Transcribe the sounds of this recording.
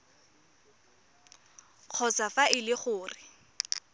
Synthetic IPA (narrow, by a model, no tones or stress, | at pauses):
q͡χʰɔsafaʔɪlɪχʊːrɪ